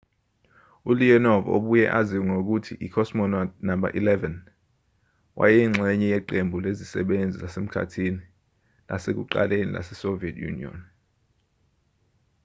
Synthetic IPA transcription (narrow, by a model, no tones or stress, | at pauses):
uliɔnɔvo̰ɓujɛ̰ʔaziŋok̬utʰiʔikʰɔsmɔnanamba̰ʔilɛvɛn | wʔa̰jɛŋ͡ǁʱɛɲɛjɛǃembʱulezisɛ̰ɓend͡zʱilasem̩kʰa̰tʰini | la̰sek̬uǃa̰lenḭlʔa̰sɛsoviɛtʰʼjṵnḭɔ̰n